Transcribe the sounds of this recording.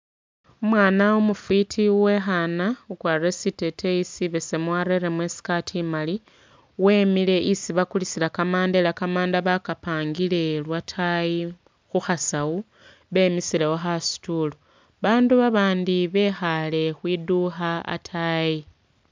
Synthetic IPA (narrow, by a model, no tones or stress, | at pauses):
umwaːnaumufitʰiwe̞xanaukwaresite̞tʰe̞isiβesemwaɾe̞ɾemwe̞si̥katʰimali | we̞ːmile̞ʔisiβakulisilakamaːndelakamaːndaβakapaːŋɡile̞lwatʰaji | xuxasawu | βe̞ːmisilewo̞xasi̥tulo | βaːnduβaβaːndiβe̞xale̞xwiduxaa̰tʰaji